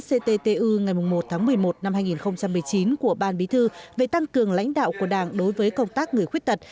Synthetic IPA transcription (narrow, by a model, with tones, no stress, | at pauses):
se˧t̪e˧t̪e˧ʔɨ˧ŋa˨˩jmʊ˨˩ŋ͡mmo˨˩t̚t̪ʰaː˨˦ŋmɨ˨˩əjmo˨˩t̚na˧mɦaː˧jŋi˨˩nxə˧wŋ͡mt͡ɕa˧mːɨ˨˩əjt͡ɕi˨˦nku˧˩əɓaː˧nɓi˨˦t̪ʰɨ˧ve˨˩t̪a˧ŋkɨ˨˩əŋla̰˧˥jŋ̟ɗa̰ː˧˨wku˧˩əɗaː˧˩ŋɗo˨˦jvəː˨˦jkə˧wŋ͡mt̪aː˦˥k̚ŋɨ˨˩əjxwi˦˥ət̚t̪ə˨˩t̚